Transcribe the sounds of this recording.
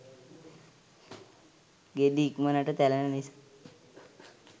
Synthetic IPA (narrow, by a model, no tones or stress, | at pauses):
ɡed̪iːkmənaʈət̪ɛlananisḁ